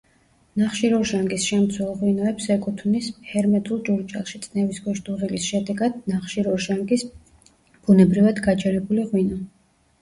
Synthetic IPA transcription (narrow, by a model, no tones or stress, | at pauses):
naχʃiɾɔɾʒaŋɡisʃɛmt̪sʰwɛlˠʁwinɔɛpsɛkʼut̪ʰvnishɛɾmɛt̪ʼulˠd͡ʒuɾt͡ʃʼɛ̰lˠʃit̪sʼnɛvisɡɔʃd̪ʼuʁilisʃɛd̪ɛɡad̪̥naχʃiɾɔɾʒaŋɡis | b̥unɛbɾivad̪ɡat͡ʃʰɛɾɛbuliʁwinɔ